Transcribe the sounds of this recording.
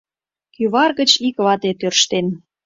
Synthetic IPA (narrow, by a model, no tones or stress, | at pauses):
kyβɑrɣə̆t͡ɕikβɑt̪et̪ørʃt̪en